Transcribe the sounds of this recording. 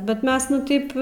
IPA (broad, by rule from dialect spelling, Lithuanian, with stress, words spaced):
ˈbʲɛt ˈmʲɛs ˈnʊ ˈtɐɪp